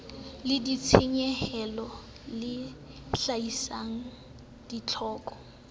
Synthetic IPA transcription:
lɪdit͡sʰeɲɛhɛlɔ | lɪ | ɬaisaŋ̩ | d̥it͡ɬʰɔːkʼɔ

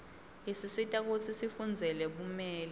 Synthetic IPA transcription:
jisisitʼak̬ot͡sʰisifund͡zʱɛlɛɓumɛːlɛ

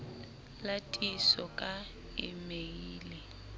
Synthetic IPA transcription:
latʼisɔkʼa | ɪ̰meiːlɛ

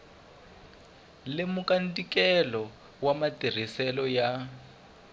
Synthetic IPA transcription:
lɪmukʼandikʼɛlɔ | wamatir̤isɛlɔja

